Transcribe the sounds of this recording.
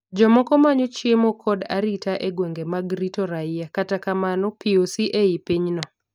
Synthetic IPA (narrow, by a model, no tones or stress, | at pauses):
d͡ʒɔmɔkɔmaɲot͡ʃiemokʰɔda̰ɾitaʔeɡweŋɡemaɡɾitɔɾaɪjakatakamanɔpiosiʔeipiɲnɔ